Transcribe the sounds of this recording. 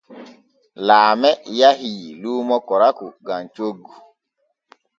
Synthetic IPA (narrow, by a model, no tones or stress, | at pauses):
laːmɛjaɦiilumɔkɔɾakuɡãnt͡ʃoɡu